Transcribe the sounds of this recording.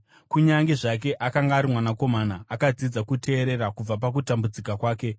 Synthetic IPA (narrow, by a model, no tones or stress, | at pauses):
kuɲaŋɡeʐak̬e̞ʔakaŋɡaːɾimwanako̞manaʔːkad͡zid͡zakutʰe̞ːɾe̞ɾakub͡vap̬ak̬utambud͡zikakwaːke̞